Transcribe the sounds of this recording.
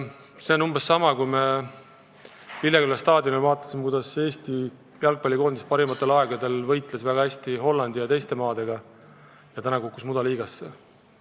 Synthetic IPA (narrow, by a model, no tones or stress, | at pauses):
se̞o̞numb̥e̞sːɑmɑkujme | ilːjekylːɑst̪ɑːd̪̥ʲjonelvɑːt̪ːˑɑ̥simekujd̪̥ɑse̞ːst̪i | jɑlk̚pɑlʲːiko̞ːnd̪ispɑɾimɑt̪ːˑe̞lɑe̞ɡ̥ɑd̪e̞lvɤjt̪ˑlesvæɡɑhæsʲt̪iɦo̞lːɑnd̪̥ijɑt̪e̞jst̪e̞mɑːd̪̥e̞ɡ̥ɑ | jɑt̪ænɑkokːˑusmud̪ɑliːɡɑsːḛ